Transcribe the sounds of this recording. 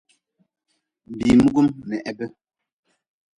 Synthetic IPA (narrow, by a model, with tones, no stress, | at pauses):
bi˨mu˦ɡu˦mnɛ˨ʔɛ˨bə˦